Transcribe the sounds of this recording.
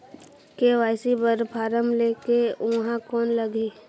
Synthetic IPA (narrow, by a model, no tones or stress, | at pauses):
keʋaːɪsibəɾpʰaːɾəmleːkeɦãkɔːnləɡiː